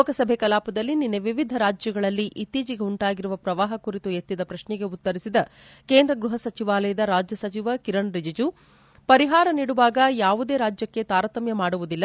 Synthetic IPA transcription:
oːkɐsɐbʱekɐlaːpɐd̪ɐlːininːeʋiʋid̪ʱɐɾaːd͡ʒjɐɡɐɭɐlːiʔit̪ːiːd͡ʒiɡeuɳʈaːɡiɾuʋɐpɾɐʋaːɦɐkuɾit̪ujet̪ːid̪ɐpɾɐʃnɛɡe̞ut̪ːɐɾisid̪ɐke̞ːnd̪ɾɐɡɾuɦɐsɐt͡ʃiʋaːlɐjɐd̪ɐɾaːd͡ʒjɐsɐt͡ʃiʋɐkiɾɐɳɾid͡ʒɐd͡ʒu | pɐɾiɦaːɾɐniːɽuʋaːɡɐjaːʋud̪e̞ːɾaːd͡ʒjɐkːe̞t̪aːɾɐt̪ɐmjɐmaːɽuʋud̪ilːɐ

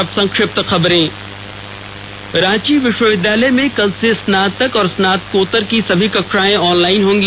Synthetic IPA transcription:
ɐbsɐ̃ŋkʃɾɪp̚t̪xɐbɾẽː | ɾãːt͡ʃiʋɪʃwəʋɪd̪aːlemẽkɐlsesnaːd̪̚t̪ːɐkɔːɾsnaːt̪̚koːt̪əɾkisɐbʱikɐkʃaːẽɔːnlaːɪnɦʊ̃ːŋɡl

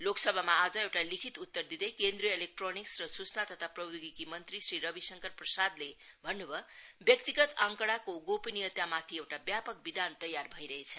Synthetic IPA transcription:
loksʌbʱamaːd͡zʌewʈalikʰit̪ut̪ːʌrd̪id̪ekend̪ɾiʌelek̚ʈroniksrʌsut͡snat̪ʌt̪ʰaprʌbd̪uɡikimʌnt̪risriɾʌbisʌŋkʌrprʌsad̪lebʱʌnːubʱʌbjʌk̚t̪iɡʌt̪ãŋkʌɽakoɡopinijʌt̪jamat̪ʰiewʈabjapʌk̚bid̪ant̪ʌjːarbʱʌiɾʌɦet͡sʰʌ

